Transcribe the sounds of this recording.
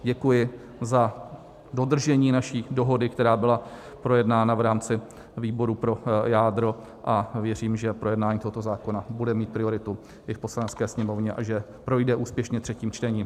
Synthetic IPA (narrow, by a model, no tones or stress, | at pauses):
ɟɛkujɪ | za | do̞d̪r̩ʒɛɲiːnaʃiːdo̞ɦo̞dɪkt̪ɛɾaːbɪla | pɾo̞jɛdnaːnavɾaːmt͡sɪ | viːboɾupɾo̞jaːdɾo̞ | ʔavjɛr̝iːmʒɛpɾo̞jɛdnaːɲiːt̪oɦot̪o̞zaːko̞nabudɛmiːt̪̚pɾɪo̞ɾɪt̪u | ʔɪfpo̞slanɛt͡skɛːsɲɛmo̞vɲɛʔa̰ʒɛ | pɾo̞jdɛʔuːspjɛʃɲɛt̪r̝̥ɛciːmt͡ʃt̪ɛɲiːm